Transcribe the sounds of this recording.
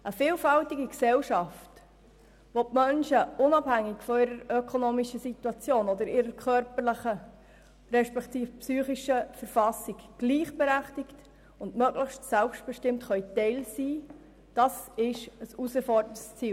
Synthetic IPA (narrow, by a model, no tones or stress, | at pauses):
ʔəfiːlfɑltiɡiksɛlʃɑft | ʋop̚mœnʃəʊnɑbhæŋːɪkfɔɪɾəɾœkʰɔnoːmiʃəsituɑt͡sjoːnɔd̪əɾɪɾəɾkʰœɾpəɾləχə | ɾɛʃpɛkt̪iːfpsyːχiʃəfəɾfɑsiɡɡ̥liːχb̥eɾæχtɪkt | ʊndmœɡləχʃtsælpʃt̚b̥ɛʃtɪmtχœʏtɛɪlsiː | d̥ɑsɪʃəsusəfɔɾdəntst͡siː